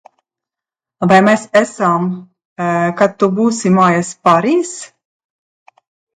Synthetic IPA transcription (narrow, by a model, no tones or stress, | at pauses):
vajmɛsɛsam | kat̪ːubuːsimaːjaspaɾiːs